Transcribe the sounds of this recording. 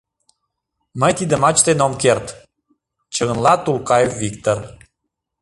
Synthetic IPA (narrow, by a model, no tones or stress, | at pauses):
məjt̪id̪əmɑt͡ɕt̪enomkert̪ | t͡ɕəɣə̆nlˠɑt̪ulkɑjefvikt̪or